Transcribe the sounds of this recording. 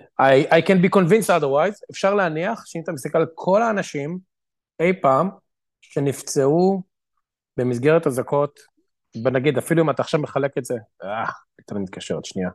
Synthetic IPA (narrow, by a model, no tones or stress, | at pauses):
ajajkɛnbiko̞nvinstad̪eʁwajzefʃaʁleaniaχʃeint̪amisakalkʰo̞laːnaʃim | ejpaːm | ʃenift͡seu | bemis̬ɡeʁet̪azako̞t | benaɡid̪afiluimataːχʃavmeχale̞ketzea | t̪anmit̪̚kaʃeʁet̪ʃnia